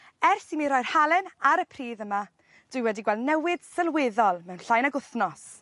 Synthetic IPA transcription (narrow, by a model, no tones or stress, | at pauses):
ɛrsimiɾɔjr̥halˠɛnaɾəpʰriːðəma | d̥wɨjwɛdiɡwɛlˠdnɛwɪd̥səlˠwɪðɔlˠmɛwnɬajnaɡʊθnɔs